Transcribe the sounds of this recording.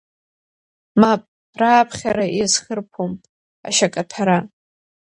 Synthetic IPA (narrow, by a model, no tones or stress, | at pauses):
mapʼ | raːpʰχʲaɾaʔizχərpʰom | a̰ʃakʼatʰaɾa